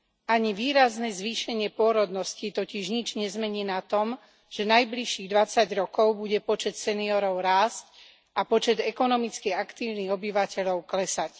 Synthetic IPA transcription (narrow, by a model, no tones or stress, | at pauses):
ʔaɲiʋiːɾaznɛzʋiːʃɛɲɪɛpʊɔɾɔd̪nɔscit̪ɔciʒɲid͡ʒɲɛzmɛɲiːnat̪ɔm | ʒ̥ɛnajbliʃːiːɣd̪ʋat͡saɟɾɔkɔʊbuɟɛpɔt͡ʃɛt̪sɛniɔɾɔʊɾaːsc | ʔapɔt͡ʃɛd̪ɛkɔnɔmit͡skiakt̪iːʊniɣɔbiʋacɛʎɔʊklɛsac